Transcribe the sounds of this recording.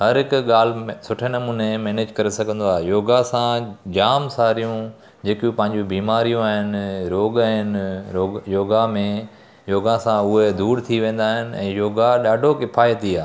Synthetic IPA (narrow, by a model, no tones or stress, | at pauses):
ɦɐɾɦɪkʊɠaːlsʊʈʰenɐmuːnemɛːneːd͡ʑkɐɾesɐɡʱə̃nd̪oaːɦejoːɡasãd͡ʑaːmsaːɾijũ | d͡ʑeːkjũpɐ̃ɦɪ̃ɲ̆d͡ʑũbiːmaːɾijũaːɦɪnɾoːɡaːɦɪnɾoːjoːɡamẽ | joːɡãsãʊɦed̪uːɾt̪ʰiʋẽːn̆d̪aːɦɪnɪ̆ɛ̰̃ːjoːɡaɗaːɖʱokɪpʰaːjət̪iaː